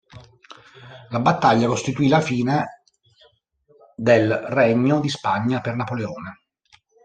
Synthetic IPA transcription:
labat̪ːaʎːakost̪it̪uilafiːne | d̪elrɛɲːod̪ispaɲːapernapoleɔːne

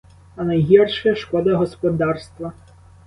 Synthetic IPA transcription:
ɐnɐjɦʲirʃɐɐʃkɔd̪ɐɦɔspɔd̪ɑrst̪ʋɐ

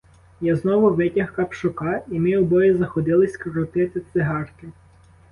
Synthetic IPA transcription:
jaznɔʋʊʋɪtʲɐhkɐpʃʊkɑimɪɔbɔjizɐxɔd̪ɪlˠɪsʲkɾɔt̪ɪt̪ɪt̪sɪɦɑrkɪ

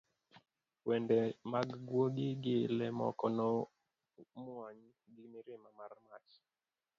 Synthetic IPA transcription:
pwendemaɡɡwoɡɪɡɪlɛmɔ̰kɔnɔ | mwaɲ | ɡɪmɪɾɪmamarma̰t͡ʃ

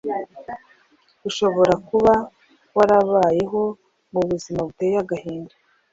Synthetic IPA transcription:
uʃo̞βo̞ɾakuβa | waɾaβaːje̞ɦo̞ | muβuzimaβutejaɡahiːnda

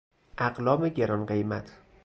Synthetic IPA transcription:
ʔæɢlɒːmeɟeɾɒnɢe̞jmæt̪ʰ

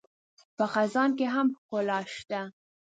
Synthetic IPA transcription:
pəxazɑnkeɦamkolɑʃt̪a

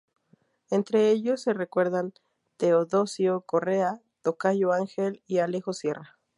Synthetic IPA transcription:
ent̪ɾeeʎosːerekweɾðan | t̪eoðosjokorea | t̪okaʝoaŋxelialexosjera

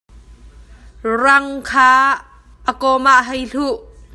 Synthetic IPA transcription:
rɐŋkʰaː | ʔəkɔmaʔɦɛjɬuʔ

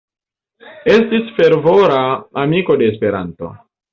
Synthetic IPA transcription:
e̞stisfe̞ɾvo̞ɾaamiko̞de̞ːspe̞ɾa̰nto̞̰

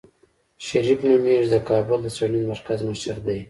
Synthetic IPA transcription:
ʃaɾifnumeʐd̪əkɑːbʊld̪əsaninmaɾkazmaʃaɾd̪aj

